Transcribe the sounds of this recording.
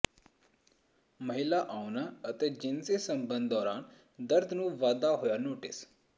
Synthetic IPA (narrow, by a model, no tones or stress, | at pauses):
məɦɪlaʔaʊnaət̪ed͡ʒɪnsesə̃mbə̃nd̪ɔːɾaːn | d̪əɾd̪ʱnũːʋaːd̪aɦojanoːʈɪ̰s